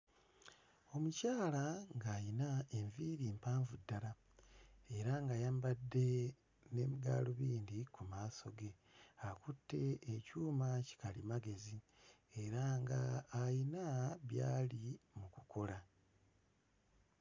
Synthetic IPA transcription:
o̞mucaːlaŋɡaːjinae̞ɱviːɾiːmpaːɱvudːala | e̞ɾaŋɡajaːmbadːe̞ | ne̞miɡa̰ːluβiːndikumaːso̞ɡe̞ | akutːe̞ːcuːmaci̥kalimaɡe̞zi | eɾaŋɡaːjinaβja̰ːlimukukʰo̞la

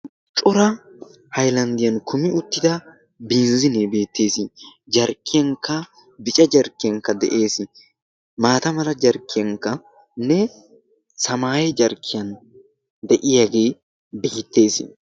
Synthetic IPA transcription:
t͡ʃʼʊɾɐ | hɐjlɐnd̪ɪjɐnkʰʊmɪʊt̪ːɪd̪ɐ | biːnzɪnebe̞ːt̪ːe̞ːsɪd͡ʒɐɾkːɪjɐŋkːɐ | bɪt͡ʃʼɐd͡ʒɐɾkːɪjɐŋkːɐd̪ɛʔe̞ːsɪ | maːt̪ɐmɐlɐd͡ʒɐɾkːɪjɐŋkːɐ | nɛ | sɐmaːjɛd͡ʒɐɾkʰːɪjɐn | d̪ɛʔɪjaɡe̞ː | bɪɪt̪ːe̞ːsɪ

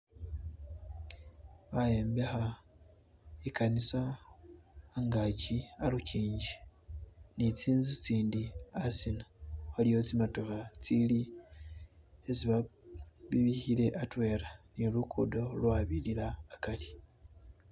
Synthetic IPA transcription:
βaje̞ːmbexa | ekanisa | ŋɡacialuciːɲɟi | nit͡siːnzit͡siːndiasinaxalijo̞t͡simatokat͡sili | e̞ziβaβiβiçiɾe̞ʔatwe̞ːɾanilukʰudo̞lwaβililaːkali

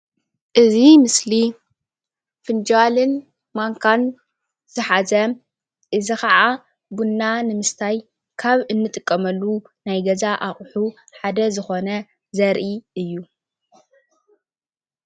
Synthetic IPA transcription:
ʔɨzimɨsli | fɨnd͡ʒalɨn | maŋkʰan | z̥ɨħazɐ | ʔɨzikaʔa | bunːanɨmɨst̪ʰaj | kʰaβɨnːɨt̪ʼɨkʼːɐmɐlːunajɡɐzaʔaχʼħuħad̪ɐzɨxo̞nɐ | zɐɾʔiʔɨjːu

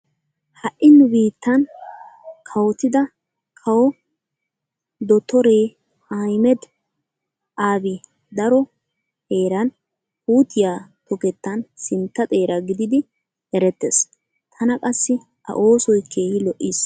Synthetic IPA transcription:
hɐʔʔːɪnːʊbiːt̪ːɐn | kʰɐwɔt̪ɪd̪ɐ | kʰɐwɔ | d̪ɔt̪ːɔɾeː | ajmɛd̪ | ʔaːbɪ | d̪ɐɾɔ | he̞ːɾɐn | huːt̪ːɪjaːt̪ɔkɛt̪ːɐnsɪnt̪ːɐt̪ʼe̞ːɾɐɡɪd̪ɪd̪ɪ | ɛɾɛt̪ːes | t̪ʰɐnɐkʼɐsːɪ | ʔɐ̰ʔo̞ːsɔjkʰːeːjɪlɔʔːis

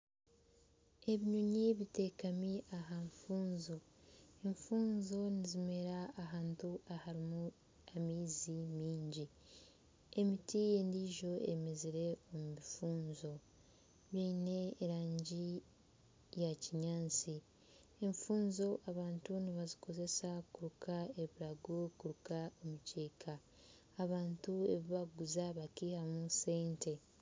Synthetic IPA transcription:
e̞βiɲuɲiβite̞kamiʔaɦaɱfuːnzo | eɱfuːnzo̞nizime̞ɾaːɦaːntuahaɾimu | amiːzimiːɲɟi | emitije̞ndiːʒo̞emeziɾe̞omumifuːnzo̞ | βiːne̞ːɾaːɲɟi | jaciɲaːnt͡si | eɱfuːnzo̞ʔaβaːntuniβaziko̞ze̞sakuɾukae̞βilaɡukuɾukaomuceːkʰaː | βaːntue̞βiβaɡuzaβakiːhamuse̞ːnte̞

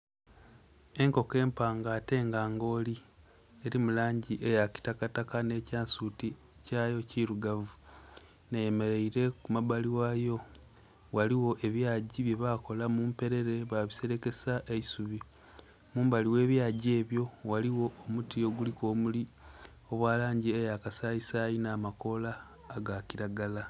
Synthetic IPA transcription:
e̞ŋko̞ke̞ːmpaːŋɡaːte̞ːŋɡaːŋɡo̞ːli | eɾimulaːɲɟiʔejaki̥takatakane̞ːcaːnsuti | cajo̞ciɾuɡavu | neje̞me̞ɾe̞iɾe̞kumaβaliwajo̞ | waliwo̞ʔe̞βjaːɟiβje̞βako̞lamuːmpe̞ɾe̞ɾe̞βaβise̞ɾe̞ke̞saʔeisuβi | muːmbaliwe̞ːβjaɟe̞ːβjo̞waliwo̞ːmutio̞ɡuliko̞ːmuli | o̞βwaːlaːɲɟiejakasaisajinaːmako̞laː | ɡaciɾaɡala

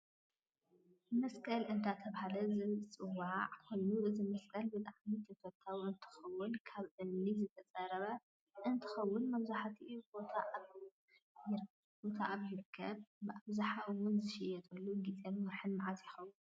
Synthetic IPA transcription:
mɐskʰʼɐlʔɨnt̪ʰat̪ʰɐβhalɐzɨt͡sʼɨwːaʕkʰolːuʔɨzimɐskʰʼɐlbɨt̪ʼaʕmit̪ʰɐfɐt̪ʰːawɨnt̪ʰɨ̥xɐwːʊnkʰaβʔɨizɨt̪ʰɐt͡sʼɐɾɐβɐ | ʔɨnt̪ʰɨ̥xɐwːʊnmɐβzaħat̪ʰiʔubo̞t̪ʰaʔaβ | jɪɾ | bo̞t̪ʰaʔaβjɪɾkʰːɐbbɨʔaβzaħawʊnzɨʃɪjɛt̪ʰʼulːuɡit͡sʼenmɐħɨnːɨʕazjɪxɐwːun

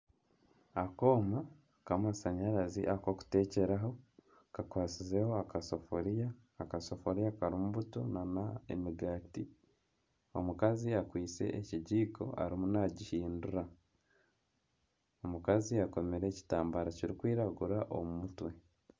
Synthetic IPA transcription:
ako̞ːma | kamasaɲaɾazḭʔako̞ku̥te̞ːce̞ɾaɦo̞ | kakwaːt͡sizeho̞akasofoɾijaː | kaso̞foɾijakaɾimuβutonanaḛmiɡaːti | o̞̰mukaziakwiːt͡se̞̰ʔeciɟiːkʰo̞̰ʔa̰ɾimunaɟihiːnduɾa | omukaziako̞meɾe̞ːci̥taːmbaɾaciɾikwiːɾaɡuɾaʔo̰mumutwe̞

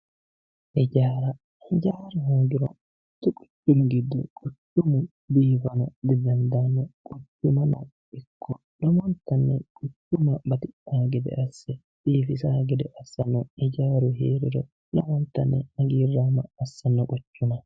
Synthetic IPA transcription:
ʔɛd͡ʒaːɾɐ | hɛd͡ʒaːɾɐɦoːɡɪɾɔ̰ | t̪ːʊkʼʊ̥t͡ʃːʊmʊɡɪd̪ːʊkʼʊt͡ʃːʊmʊ | biːfɐnɔd̪ɪd̪ɐnd̪aːnːɔkʼʊt͡ʃːʊmɐnɐ̰ | ɪkːɔ | lɔmɔnt̪ːɐnːɛkʼʊt͡ʃːʊmɐbɐt̪ɪʔaːɡɛd̪ɛ̰ʔɐsːɛ | b̥iːfɪsaːɡɛd̪ɛʔɐsːɐnːɔɛd͡ʒaːɾʊɦḛːɾɪɾɔ | lɔmɔnt̪ːɐnːɛɐɡiːrːaːmɐɐsːɐnːɔkʼʊt͡ʃːʊnɐ

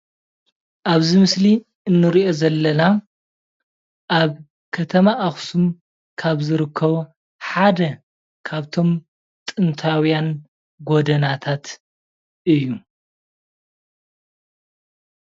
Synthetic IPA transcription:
ʔaβzimɨsli | ɨnːɨɾiʔo̞zɐlːɐna | ʔaβ | kʰɐt̪ʰɐmaʔaxsum | kʰaβzɨɾɨkʰːɐβu | ħad̪ɐ | kʰaβt̪ʰo̞m | t̪ʼɨnt̪ʰawijan | ɡo̞d̪ɐnat̪ʰat̪ | ʔɨjːu

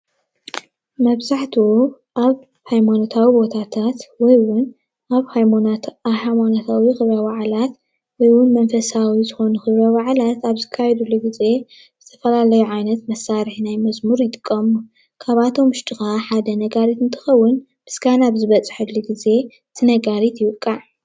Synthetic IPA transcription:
mɐβzaħt̪ʰuu | ʔaβ | hajmanot̪ʰawibo̞t̪ʰat̪ʰat̪wɔjwʊn | aβhaj | hamanot̪ʰawixɨβɾawaʕlat̪ | wɔjwʊnmɐnfɐsawizɨxo̞nuxɨβɾawaʕlat̪aβzɨkʰːajɛd̪ulːuɡize̞ | z̥ɨt̪ʰɐ̥fɐlalɐjuʕajnɐt̪mɐsaɾɨħnajmɐzmuɾjɪt̪ʼɨkʼːɐmu | kʰaβat̪ʰo̞mʊʃt̪ʼixaħad̪ɐnɐɡaɾit̪ɨnt̪ʰɨ̥xɐwːʊn | b̥ɨsɡanaβzɨβɐt͡sʼɨ̥ħɨlːuɡize̞ | t̪ʰɨnɐɡaɾit̪jɪwɨkʼːaʕ

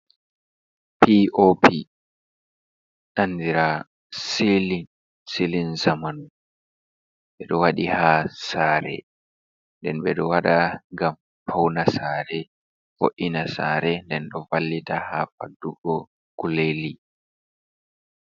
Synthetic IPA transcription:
piʔopʰi | ʔanːdiɾa | silin | silinzamanu | ɓɛɗɔwaɗihaːsaːɾɛ̰ | ndɛnɓɛɗɔwaɗaŋɡam | pawnasaːɾɛ | fo̰ʔinasa̰ːɾɛndɛnɗɔvalːitaha̰fa̰dːuɡɔ | ɡ̥uleli

